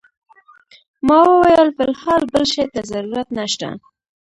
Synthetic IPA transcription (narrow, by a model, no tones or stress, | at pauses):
mɑwəwajəlfɪlhɑlbəlʃɑjt̪azaɾuɾat̪naʃt̪a̰